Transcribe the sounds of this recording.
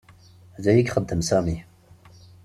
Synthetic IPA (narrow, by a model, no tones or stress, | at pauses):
ðæjiɡʲχəd̪ːəmsæmi